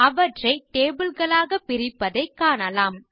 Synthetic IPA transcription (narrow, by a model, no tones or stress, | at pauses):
ɐʋɐʈrɐɪʈeːbɯlɣɐɭaːɣɐpːɪɾɪpːɐðɐɪkːaːnɐlaːm